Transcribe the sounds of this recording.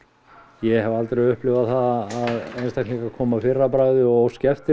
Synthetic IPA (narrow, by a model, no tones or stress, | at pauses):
jɛhɛvalt̪ɾejʏhplɪvaθaðːðejnst̪ajknliŋkakʰɔːmafɪrːapɾaːjðɪɔɣscɛft̪ɪ